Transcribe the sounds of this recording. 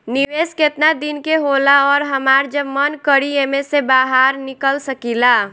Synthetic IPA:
niʋeːsket̪nad̪inkeɦolaɔːɾɦəmaːɾd͡ʒəbmənkəɽieːmesebaːɦaːɾnɪkəlsəkila

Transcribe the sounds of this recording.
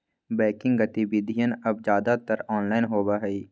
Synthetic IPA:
bɛːkɪ̃ŋɡɡɐt̪ibɪd̪ʱijənɐbd͡ʒjaːd̪at̪əɾɔːnlaːɪnɦoːbaɦɛiː

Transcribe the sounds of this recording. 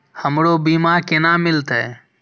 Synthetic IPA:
həmɽoːbiːmaːɾkenaːmɪlt̪ɛː

